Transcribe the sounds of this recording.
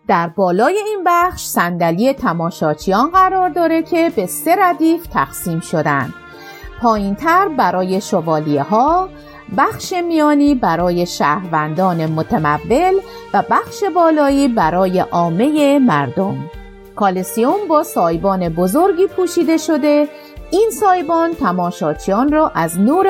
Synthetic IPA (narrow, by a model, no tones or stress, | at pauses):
d̪̥æɾbɒːlɒːje̞inbæχχʃsænd̪æliːe̞t̪ʰæmɒːʃɒːt͡ʃʰijɒːnɢæɾɒːɾd̪ɒːɾe̞cʰe̞be̞se̞ɾæd̪iːft̪ʰæ̰xsiːmʃo̞d̪æ̰nd̪̥ | pʰɒːjint̪ʰæɾbæɾɒːje̞ʃovɒːlieɦɒː | bæχʃe̞mijɒːniːbæɾɒːje̞ʃæːhɾvænd̪ɒːne̞mot̪ʰæmævːe̞lvæbæxʃe̞bɒːlɒːiːbæɾɒːje̞ʔɒːme̞je̞mæɾd̪o̞m | kʰɒːlesiombɒːsɒːjbɒːne̞bozo̞ɾɟiːpʰuːʃiːd̪e̞ʃo̞d̪e̞ | iːnsɒːjbɒːnt̪ʰæmɒːʃɒːt͡ʃʰijɒːnrɒːʔæznuːɾ